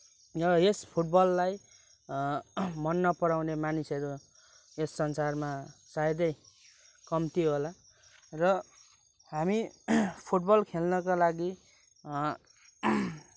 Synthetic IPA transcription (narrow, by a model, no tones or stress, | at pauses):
rʌespʰuʈ̚bʌlːaj | mʌnːʌpʌɾawnemanisʌɾu | esːʌnsarmasajd̪ʌj | kʌmt̪iɦola | rʌ | ɦamipʰuʈbʌlkʰelnʌkalaɡi